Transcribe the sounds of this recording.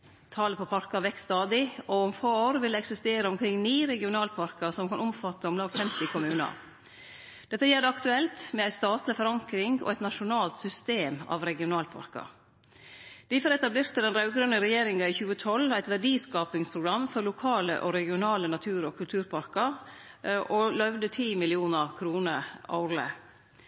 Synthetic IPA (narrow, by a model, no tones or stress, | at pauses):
t̪ʰɑːləpʰɔpʰɑɾkɑʋɛkt̪st̪ɑːd̪ɪɔʊmfoːoːɾʋɪlɛɛksɪst̪eːɾəɔmkʰɾɪŋːniːɾɛɡɪʊnɑːlpʰɑɾkəsɔmkɑnʊmfɑt̪ːəɔmlɑːɡfɛmt̪ɪkʰʊmʉːnɑ̰ | d̪̥ɛt̪ːəjɛld̪ɛɑkt̪ʉɛlt̪mɛæɪst̪ɑːt̪lɪfɔɾɑŋkɾɪŋɔ̰æɪt̪nɑʂʊnɑːlt̪sʏst̪eːmɑ̰ːʋɾɛɡɪʊnɑːlpʰɑ̰ɾkɑ̰ | d̪̥ɪfɔɾɛt̪ɑbleːɾt̪əd̪ɛnɾɑʉɡəɾənəɾɛjeːɾɪŋɑiçʉːət̪ʰɔlːæɪt̪ʋæɖiːskɑːpɪŋspʰɾʊɡɾɑmfɔɾlʊkʰɑːlə̰ʔɔɾɛɡɪʊnɑːlənɑt̪ʰʉːɾɔkʰʉlt̪ʰʉːɾpʰɑɾkəɾ | ʔɔlœʋd̪ət̪ʰiːmɪlɪuːnɑɾkʰɾuːnəɑ̰ɾlə̰